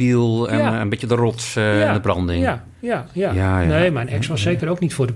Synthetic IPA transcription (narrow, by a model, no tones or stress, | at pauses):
ilˠɛnənbɪtjədərɔtsɪndəbrɑndɪŋ | ajajaneːmɛjnɛksʋɔsːeːkəɾowknitfʊːdə